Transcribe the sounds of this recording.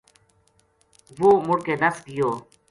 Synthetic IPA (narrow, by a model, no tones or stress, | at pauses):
ʋoːmʊɽkeːd̪əsɡɪjoː